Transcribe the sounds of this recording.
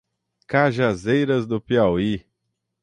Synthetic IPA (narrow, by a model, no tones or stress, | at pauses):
kaʒazejɾɐzd̪ʊpiawi